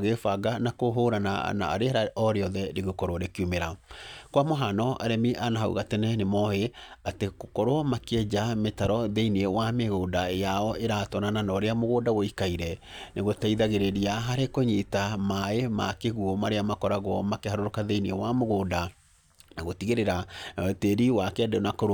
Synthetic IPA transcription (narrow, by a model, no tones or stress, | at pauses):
ɣefaɡanakoɦoɾana̰na̰a̰ɾeɾaɔɾeɔðɛɾeɣokɔɾwɔɾekiumeɾakwamoɦanɔʔaɾɛmiʔanaɦaṵɣatɛnɛnemɔheatekokɔɾwɔmakɛd͡ʑametaɾɔðeiniewameɣoːdajaɔeɾatɔnananɔɾeamoɣodawoikaiɾɛ | neɣotaiðaɣeɾeɾiaɦaɾekoɲitamaemakeɣuɔmaɾeamakɔɾaɣwɔmakehaɾoɾokaðeiniewamoɣoːda | naɣotiɣeɾeɾaateɾiwakɛɛdenakoɾ